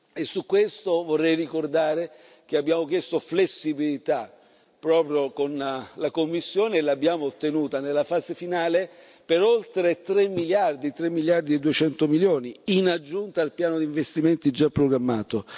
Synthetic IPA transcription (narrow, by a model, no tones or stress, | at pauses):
esːukːwest̪ovorːɛjrikord̪aːɾe | k̟eabːjaːmok̟jɛst̪oflesːibilit̪a | pːɾɔːpɾjokonlakomːisːjoːneːlabjaːmoːt̪ːenuːt̪anelːafaːsefinaːle | peɾolt̪ɾet̪ɾemːiljard̪it̪ɾemːiljard̪ied̪uet͡ʃɛnt̪omiljoːniinad͡ʒːunt̪aːlpjaːnod̪iɱvest̪iment̪id͡ʒapːɾoɡɾamːaːt̪o